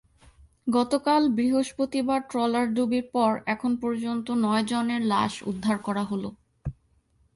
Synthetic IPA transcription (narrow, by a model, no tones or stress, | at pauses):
ɡɔt̪okalbɾiɦoʃpɾot̪ibaʈɾɔlaɾɖubiɾpɔɾɛkʰonpɔɾd͡ʑont̪onɔed͡ʑoneɾla̰ʃṵd̪ʱːaɾkɔɾaɦolo